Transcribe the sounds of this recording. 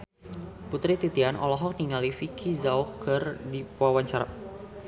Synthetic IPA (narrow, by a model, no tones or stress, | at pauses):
put̪ɾit̪it̪ianʔɔ̰lɔɦɔk̚niŋalifikʰizaukʰɨrdipwawaɲt͡ʃaɾa̰